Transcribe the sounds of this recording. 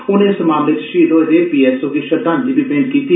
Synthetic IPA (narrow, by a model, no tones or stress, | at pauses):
ʊnɪsmaːmleːt͡ʃʃiːloːɾeːpiːɛsoːkiʃɐɾd̪ãːnd͡ʒibipɪ̃ɳɖ̚kiːt̪i